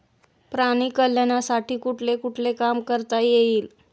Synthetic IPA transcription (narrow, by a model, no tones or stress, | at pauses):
pɾaɽ̃iːkəljanasaʈiːkuʈʰlekuʈʰlekamkəɾt̪ajeiːl